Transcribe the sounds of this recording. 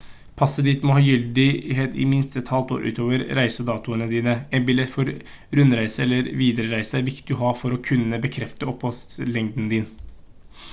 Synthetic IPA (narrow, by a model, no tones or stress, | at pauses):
pʰɑsːəd̪it̪mɔhɑːjʏld̪ɪheːt̪ɪ̰mɪnst̪ɛt̪hɑlt̪o̰ːɾʔʉ̰ːt̪ʰoːʋəɾɾæɪsəd̪ɑːt̪ʊənəd̪iːnəɛnbɪlɛt̪fɔɾ | ɾʉnɾæɪsəɛlːəɾʋiːd̪əɾəɾæɪsəæʋɪkt̪̚d̪ʉɦɑːfɔɾɔkʰʉnːəbəkʰɾɛft̪əɔpʰːɔst̪lɛŋd̪n̩d̪ɪn